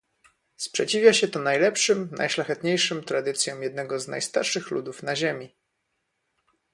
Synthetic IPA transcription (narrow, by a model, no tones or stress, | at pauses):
spʂɛt͡ɕivʲjaɕɛt̪ɔnajlɛpʂɘmnʔa̰jʂlaxɛt̪ɲejʂɘmt̪ɾad̪ɘt̪sʲjɔ̃mjɛd̪nɛɡɔzna̰jst̪a̰ɾʂɘxlṵd̪ufnaʑemʲi